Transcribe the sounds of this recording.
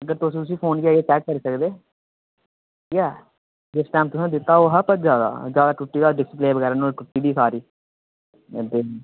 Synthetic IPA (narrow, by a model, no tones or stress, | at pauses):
əɡəɾt̪ʊsĩt̪ʊsĩːpʰoːnkiaːeːt͡ʃɛːkːəɾisəkd̪eː | jɛː | d͡ʒɪsʈɛːmt̪ʊsãːd̪ɪt̪ːaːoːɦəpət̪d͡ʒjaːd̪a̰ːd͡ʒjaːd̪aːʈʊʈːiːd̪aɖɪsɪpleːʋəɡɛːɾaːnõːʈʊʈːiːb̪iːsaːɾiː | d̪e